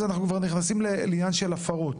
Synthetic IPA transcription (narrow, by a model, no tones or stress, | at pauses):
zanaχnukvaʁniχnasimleljanʃelafaʁo̞t̪